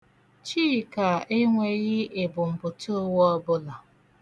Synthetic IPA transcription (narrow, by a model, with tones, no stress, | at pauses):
t͡ʃi˦˨ka˨e˦ŋʷe˨ɣɪ˦e˨bʊ˨m̩˨bʊ˨to˦wɔ˦bʊ˦la˨